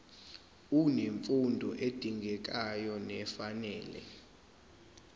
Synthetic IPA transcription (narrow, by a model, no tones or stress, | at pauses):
uneɱfundʱɔʔed̥ʱiŋɡʱɛk̬ʼajɔnɛfanɛːlɛ̰